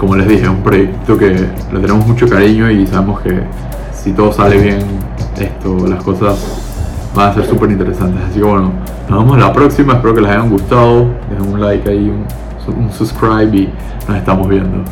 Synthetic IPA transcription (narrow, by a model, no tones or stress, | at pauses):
ko̞mo̞le̞zðixe̞umpɾo̞jekt̪o̞ke̞ | lot̪e̞ne̞mozmut͡ʃo̞kaɾiɲo̞isaβe̞moske | sit̪o̞ðo̞sale̞βje̞n | est̪o̞lasko̞sas | banase̞ɾsupeɾint̪eɾe̞sant̪e̞sasike̞βwe̞no | nozβamo̞slapɾo̞ksimaespeɾo̞ke̞lasajaŋɡust̪aðo̞d̪eheunlajkaiun | sunsuskɾajβi | no̞se̞st̪amozβje̞nd̪o̞̰